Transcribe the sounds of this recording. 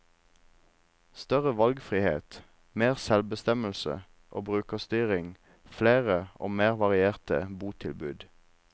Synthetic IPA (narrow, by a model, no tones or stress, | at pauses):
st̪œʁəʋɑlɡfʁiːhḛːt̪ | meːʁsɛlbəst̪ɛməl̩sə̰ | ʔoːbʁʉːkəst̪yːʁɪŋ | fleːʁəo̰ːmeːʁʋɑʁɪeːʁt̪ə̰buːt̪ʰɪlbʉ̰ːd̪